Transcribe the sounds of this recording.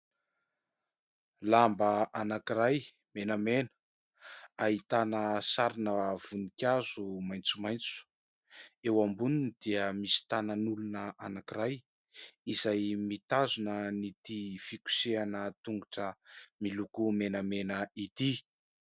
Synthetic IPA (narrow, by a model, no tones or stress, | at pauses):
lambəʔanakiɾaj | menamenə̥ | aɦit̪anəsaɾinəv̥unikʲazumajnt͡sumajnt͡su̥ | ewambuninid̪̥iəmisi̥t̪ananulunəʔanakiɾaj | izajmit̪azunənit̪ifikʲu̥seanət̪uŋɡuʈ͡ʂəmilukumenamenəit̪i